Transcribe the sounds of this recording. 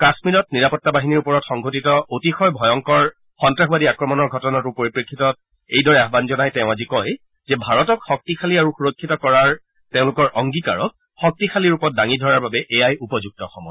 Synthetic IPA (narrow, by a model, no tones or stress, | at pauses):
kasmiɹɔtniɹapɔtːabaɦiniɹupɔɹɔtxɔŋɡʱotitɔʔotixɔjbʱɔjɔŋkɔɹ | xɔntɹaxbadiakɹɔmɔnɔɹɡʱɔtɔnatupoɹipɹekʰːitɔt | ejdɔɹɛaɦbanzɔnajtɛʊ̃azikɔj | zɛbʱaɹɔtɔkxɔk̚tixʰaliaɹuxuɹokʰːitɔkɔɹaɹ | teʊ̃lʊkɔɹʔɔŋɡika̰ɹɔk̚ | xɔk̚tixʰaliɹupɔt̚daŋidʱɔɹaɹbabɛʔejajupɔzuk̚tɔxɔmɔj